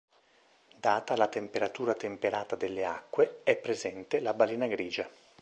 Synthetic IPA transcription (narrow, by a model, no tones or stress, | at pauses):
d̪aːt̪alat̪empeɾat̪uːɾat̪empeɾaːt̪ad̪elːea̰kːweɛpːɾezɛnt̪elabaliːnaɡɾiːd͡ʒa